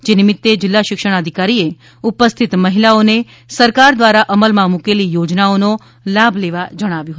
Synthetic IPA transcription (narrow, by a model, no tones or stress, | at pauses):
d͡ʒenɪmɪt̪ːed͡ʒɪlːaʃɪkʃəɽ̃əd̪ʱikaɾie | upəst̪ʰit̪məɦilaone | səɾkaɾd̪ʋaɾaʔəməlmãmukelijod͡ʒnaono | labʱleʋad͡ʒəɽ̃aʋjũɦət̪u